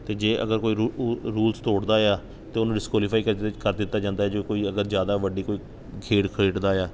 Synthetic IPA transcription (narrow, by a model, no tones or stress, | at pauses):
t̪eːd͡ʒeːʔə̰ɡəɾkoːiːɾuːlst̪oːɽd̪aːjaː | t̪eːʊnũːɖɪskwaːlɪpʰaːiːkəkəɾd̪ɪt̪ːaːd͡ʒãːnd̪aːɛːd͡ʒoːkoːiːəɡəɾzjaːd̪aːʋəɖiːkoːiː | kʰeːʈkʰeːʈd̪aːjaː